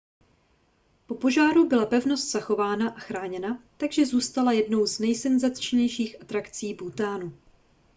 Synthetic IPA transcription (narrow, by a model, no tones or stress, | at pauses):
po̞po̞ʒaːɾubɪlapɛvno̞st̪z̥axo̞vaːnaʔaxɾaːɲɛnat̪aɡʒɛzuːst̪alajɛdno̞wznɛjsɛnzat̪t͡ʃɲɛjʃiːxʔat̪ɾakt͡siːbut̪aːnu